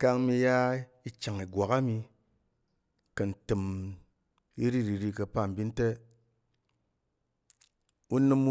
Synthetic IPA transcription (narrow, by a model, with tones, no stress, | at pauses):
ka˧ŋmi˧˦ja˦ | i˦t͡ʃa˨ŋi˨ɡwa˨ka˦mi˧ | kə˨n̩˨tɨ˨m | i˦ɾi˦ɾi˨ɾi˧kə˧pa˦˨m̩˨bi˦n̩˦te˦ | u˦nɨ˦mu˦